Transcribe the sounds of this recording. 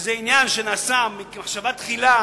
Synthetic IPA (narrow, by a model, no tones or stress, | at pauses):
zeinjanʃenasamːimaχʃavat̪χila